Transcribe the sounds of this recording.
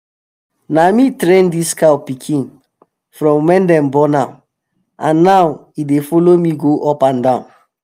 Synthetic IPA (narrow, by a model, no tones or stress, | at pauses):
namitɹẽndiskawpikʰĩn | fɹɔ̃mwɛ̃ndɛ̃mbɔna | ãnːawidefɔlomiɡoʔɔpãndãʊ̃n